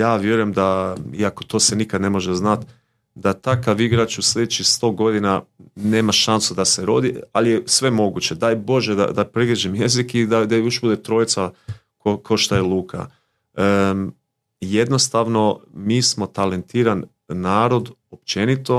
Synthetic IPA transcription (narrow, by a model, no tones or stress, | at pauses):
jaːʋje̞ɾujemd̪aiakot̪o̞ːsenikad̪ne̞mo̞ʒeznat̪ | d̪at̪akaʋiɡɾat͡ʃuslʲe̞d̪et͡ʃixst̪o̞ːɡo̞d̪inane̞ːmaʃansud̪ase̞ɾo̞̰d̪ialijesʋe̞mo̞ɡut͡ʃe̞d̪ajbo̞ʒed̪a̰d̪apɾiɡlʲed͡ʒimje̞zikid̪ad̪ajoʃbud̪et̪ɾo̞ːjt̪sa | kokoʃt̪ajelˠuːkʰa̰ | je̞d̪no̞st̪aʋno̞miːsmo̞t̪ale̞nt̪iːɾanː | aːɾo̞d̪o̞p̚t͡ʃe̞nit̪o̞